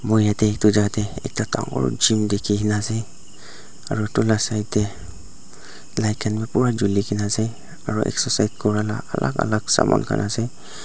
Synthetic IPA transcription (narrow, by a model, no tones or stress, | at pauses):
mɔjatɛːk̚tud͡ʒatɛɛ̰k̚tata̰ŋɔ̰ɹd͡ʒimdekʰiɦinasej | aɹɔtulasajtɛ | lajkʰanbɛpuɹad͡ʒulikʰinasej | aɹɔʔɛ̰ksɔsajt̚kʰɔɹala̰alʔa̰ka̰laksa̰mɔ̰nkʰa̰nʔasaj